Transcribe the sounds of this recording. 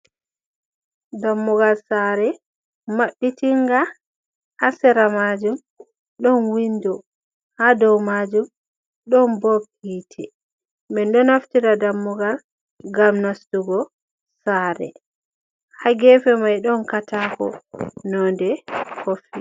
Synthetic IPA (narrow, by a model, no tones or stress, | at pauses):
damːuɡalsaɾɛ | maɓːitiŋɡa | hasɛɾamad͡ʒum | ɗɔnwindɔ | hadɔwmad͡ʒum | ɗɔnbop | iːtʰɛ | mɛndɔnaftiɾadamːuɡal | ɡamnastuɡɔ | saːɾɛ̰ | haɡɛfɛmajɗɔnkataːkɔ̰nɔndɛhofi